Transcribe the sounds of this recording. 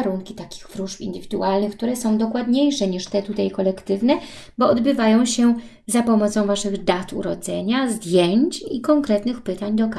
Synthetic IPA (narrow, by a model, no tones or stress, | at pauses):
ɾuŋkʲit̪akʲi̥xfɾuʂfḭnd̪ɘvʲid̪uʔalnɘxkt̪uɾɛsɔ̃w̃d̪ɔkwad̪ɲejʂɛɲiʂt̪ɛt̪ut̪ajkɔlɛkt̪ɘvnɛ | bɔːd̪bɘvajɔ̃w̃ɕɛ | zapɔmɔt̪sɔ̃w̃vaʂɘɣd̪at̪ṵɾɔd̪zɛɲazd̪ʲjeɲt͡ɕikɔŋkɾɛt̪nɘxpɘt̪aɲd̪ɔka